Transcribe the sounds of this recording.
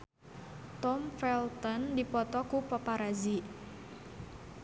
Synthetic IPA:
t̪ɔmfɛlt̪ɔndipɔt̪ɔkupɔpaɾazi

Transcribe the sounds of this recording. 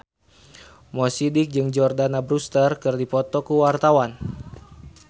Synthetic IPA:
mɔsidɪk̚d͡ʒɨŋd͡ʒɔrdanabɾust̪ərkɨrdipɔt̪ɔkuwart̪awan

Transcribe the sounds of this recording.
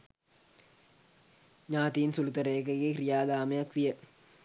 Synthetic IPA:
ɲaːt̪iːnsulut̪ɐɾəjəkəɡeːkrijaːd̪aːməjakʋijə

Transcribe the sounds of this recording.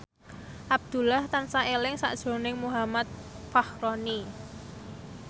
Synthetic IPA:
ʔab̚d̪̥ṳlaht̪ansaelɪŋsa̰ʔd̥ʒ̥o̤nɪŋmuɦamat̪̚fahɾoni

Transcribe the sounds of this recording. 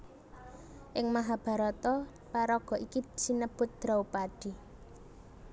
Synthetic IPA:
ʔɪŋmaɦab̥a̤ɾɔt̪ɔ | paɾɔɡ̥ɔ̤ʔikisinəb̥ʊt̪̚d̪̥ɾawpaɖ̥i̤

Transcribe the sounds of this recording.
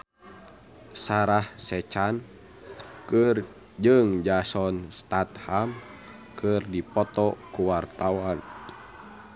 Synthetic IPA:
saɾahsɛt͡ʃan | kɨr | d͡ʒɨŋd͡ʒasɔnst̪at̪ham | kʰɨrdipɔt̪ɔkuwart̪awan

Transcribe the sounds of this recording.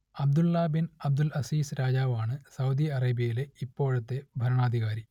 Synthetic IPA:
ɐb̚d̪ulːɐbinɐb̚d̪ulɐsiːsɾaːd͡ʑaːʋaːɳɨsɐwd̪iɐreːbijɐjileipːo̞ːɻɐt̪ːe̞bʱɐɾɐɳaːd̪ʱiɣaːɾi

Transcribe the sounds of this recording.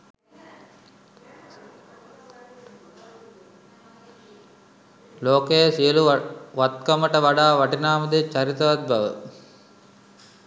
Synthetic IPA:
loːkəjəsijəluʋat̪kɐməʈəʋaɖaːʋɐʈinaːməd̪et͡ʃːɐɾit̪ɐʋat̪̚bɐʋə̰

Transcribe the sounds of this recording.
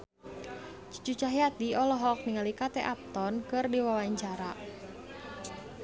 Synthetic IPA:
t͡ʃu̥t͡ʃut͡ʃaɦiat̪iɔlɔɦɔk̚niŋalikat̪ɛʔap̚t̪ɔnkɨrdiwawaɲt͡ʃaɾa

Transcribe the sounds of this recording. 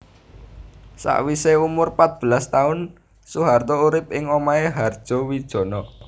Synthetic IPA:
sa̰ʔwiseumʊrpat̪̚b̥ə̤last̪aʊn | suɦart̪ɔuɾɪp̚ɪŋomaeɦard̥ʒ̥ɔ̤wid̥ʒ̥ɔ̤nɔ

